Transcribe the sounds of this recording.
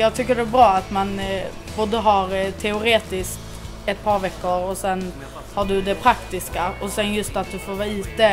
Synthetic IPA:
jɑːɡ̚t̪ʰʏkːəɖɛbɾɑːat̪man | boːd̪əɦɑɾt̪ʰɛʊɾeːt̪ɪskt̪ | ɛt̪̚pʰɑːɾvɛkːəɾɔsɛn | haɖɵd̪ɛpʰɾakt̪ɪskaɔsɛnjɵst̪at̪̚d̪ɵfoːɾvɑːiːt̪ə

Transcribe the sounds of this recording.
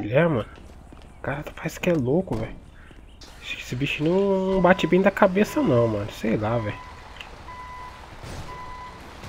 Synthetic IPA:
uʎɛɾmɐ̃nʊ | kaɾat̪ɐ̥fajsʊ̥kɪɛlokʊvɛjʊ | sesɪbiʃĩnɐ̃w̃ñw̃bat͡ʃɪbẽj̃d̪ɐkabesɐnɐ̃w̃mɐ̃nʊsejlavɛjʊ

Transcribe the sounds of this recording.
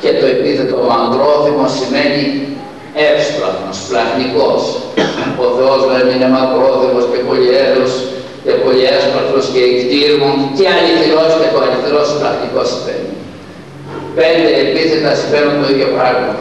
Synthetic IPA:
cet̪oepiθet̪omɐŋɡɾo̞θimosime̞ni | epsp̪lɐ̰xnosplɐxnikos | oθe̞ozðenine̞mɐŋɡɾoθimoscepolieðos | cepoliezmɐɾt̪ɾosceikt̪iɾmut̪iɐlifθeɾosit̪et̪oɐlifθeɾosplɐxniko̞si̥vḛni | pe̞nd̪eːpiθe̞t̪ɐsifeɾunt̪oiðjopɾɐɣmɐt̪ɐ

